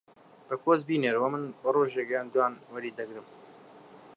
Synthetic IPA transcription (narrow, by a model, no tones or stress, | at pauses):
bɐkoːzbiːneɾwɐmɨnwɐroːʒeɡɛjaːnd̪ujaːnwɐɾiːd̪ɐɡɾɨm